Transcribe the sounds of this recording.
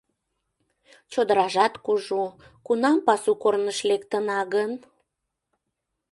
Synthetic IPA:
t͡ɕod̪əɾɑʒɑt̪kuʒu | kunɑmpɑsukornəʃlekt̪ənɑɣən

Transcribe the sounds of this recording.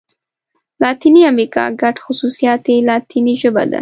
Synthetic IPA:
lɑt̪iniamɾikɑ̰ɡaʈxʊsusijɑt̪elɑt̪iniʒəba̰d̪a̰

